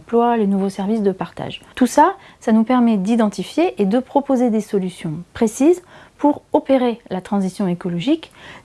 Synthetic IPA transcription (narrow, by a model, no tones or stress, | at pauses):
plwalenuvosɛʁvisd̪əpaʁt̪a̰ʒt̪usa | sanupɛʁmɛd̪id̪ɑ̃t̪ifjeʔːd̪əpχɔpozed̪esɔlysjɔ̃pχesizpuʁɔpeʁelat̪χɑ̃zisjɔ̃ekɔlɔʒik